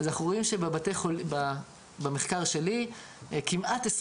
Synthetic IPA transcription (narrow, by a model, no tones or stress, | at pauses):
azanaχnuʁoimʃebebat̪eχolba | bemeχkaʁʃe̞li | kimʔat̪es